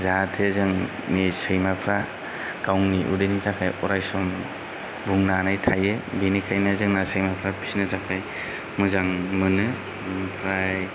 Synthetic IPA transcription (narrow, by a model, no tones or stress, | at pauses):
zatʰezɯŋ | nisɯjmapʰɾa | kawŋniʔṵdɯnitʰakʰajɔɾajsɔn | buŋnanajtʰajebinikʰajnazɯŋnasɯjmapʰɾapʰi̥snɯtʰakʰaj | mɯzaŋmɯnɯ | pʰɾaj